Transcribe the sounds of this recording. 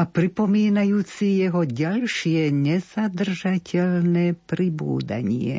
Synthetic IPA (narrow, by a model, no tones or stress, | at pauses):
apɾipɔmiːnajuːt͡sijɛɦɔɟalʃɪjɛɲɛzad̪r̩ʒacʰɛlnɛpɾibṵːd̪a̰ɲjɛ̰